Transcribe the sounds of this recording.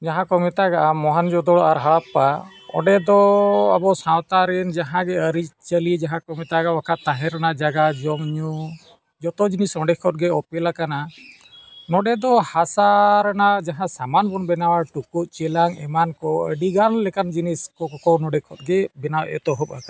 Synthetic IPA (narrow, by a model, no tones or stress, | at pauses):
d͡ʒaɦãkɔmɛt̪aɡaʔamɔɦand͡ʒɔd̪ɔɽaɾɦaɽapːa | ɔ̰ɖɛd̪ɔa̰bɔsawt̪aɾɛnd͡ʒaɦãɡɛəɾit͡ʃt͡ʃəlid͡ʒaɦãkɔmɛt̪aɡawakʰaʔt̪aɦɛ̃ɾanaʔd͡ʒaɡad͡ʒɔmɲu | d͡ʒɔt̪ɔd͡ʒinisɔɖɛkʰɔt̪̚ɡɛɔpɛlakana | nɔɖɛd̪ɔhasaɾanaʔd͡ʒaɦãsamanbɔnbɛnawaʈukut̪̚t͡ʃɛlaŋɛmankɔə̰ɖiɡanlɛkand͡ʒiniskɔɔkɔwnɔɖɛkʰɔt̪̚ɡɛbɛnawʔɛ̰t̪ɔɦɔp̚aka